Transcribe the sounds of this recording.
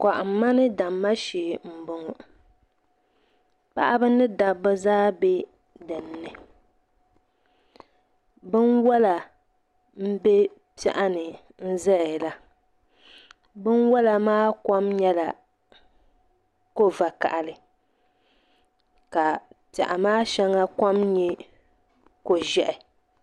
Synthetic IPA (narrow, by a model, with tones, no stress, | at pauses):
ka˨ʔm˦mːa˦nɨ˦da˨mːa˦ʃeː˨m̩˨bʊ˨ŋ˨ | pa̰˦ʔa˦bɨ˦nɨ˦da˨bɨ˦zaː˦be˦ | dɨ˨nː˨˦ɨ˨ | bɨ˦nwɔ˦la˨ | m̩˦be˦ | pɛ̰˦ʔa˦nɨ˨ | n̩˦zɛ˦˨la˦ | bɨ˦nwɔ˦la˨maː˦kɔ˦mɲɛ˦la̰˨ | ko˦va˨ka̰˨ʔa˨lɨ˨ | ka˨pa̰˨ʔa˨maː˦ʃɛ˦ŋa˦ka˦mɲɛ˦ | ko˨ʒɛ˨ʔɪ˨